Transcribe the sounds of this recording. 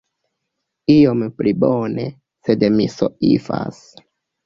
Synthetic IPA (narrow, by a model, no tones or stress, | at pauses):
iomplibone | sedmiso̰ʔifa̰s